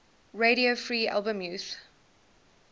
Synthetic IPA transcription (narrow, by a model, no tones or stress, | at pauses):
ɹeɾiofɹiːa̰lˠbə̃mjuːs